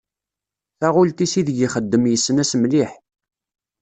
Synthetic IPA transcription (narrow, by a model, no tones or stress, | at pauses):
θæʁʊlt̪isiðɡiχəd̪ːəmjəsːənæsmliħ